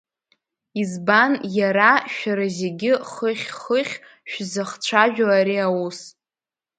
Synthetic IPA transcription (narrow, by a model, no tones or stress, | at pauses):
izbanjaɾaʃᶣaɾazeɡʲɪχəχʲχəχʲ | ʃᶣzaχt͡ɕʷʰaʒᶣaaɾiawus